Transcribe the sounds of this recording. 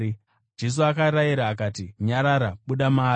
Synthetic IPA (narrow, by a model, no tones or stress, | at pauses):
d͡ʒe̞s̬uakaɾaiɾaːkaːtiɲaɾaɾaɓuɗamaː